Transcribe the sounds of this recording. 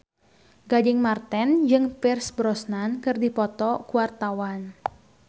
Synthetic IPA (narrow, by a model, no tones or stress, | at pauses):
ɡadɪŋmart̪ɛnd͡ʒɨŋpirsbɾɔsnankɨrdipɔt̪ɔkuwart̪awan